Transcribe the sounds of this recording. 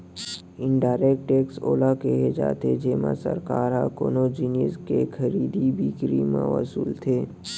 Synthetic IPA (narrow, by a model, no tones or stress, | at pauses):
ɪnɖaːɾeːk̚ʈeːkso̰ːlakeɦed͡ʒa̰ːt̪ed͡ʒeːma̰sə̰ɾkaːɾakoːnod͡ʒinjəskexʰəɾiːd̪ibʱikɾiːmã̰ʋə̰suːlt̪ʰeː